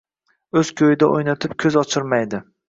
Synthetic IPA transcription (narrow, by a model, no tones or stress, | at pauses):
ɵz̥kʲʰojɪd̪aʔojnat̪ʰɪp̚kʲʰɵzɒt͡ʃʰɪɾmajd̪ɪ